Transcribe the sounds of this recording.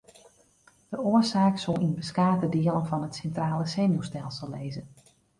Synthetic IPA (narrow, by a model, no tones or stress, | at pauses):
d̥əoəsaːksolˠinbəskaːtədɪəlˠənfɔnətsɛntraːləseːnjustɛlˠsəlˠːeːzə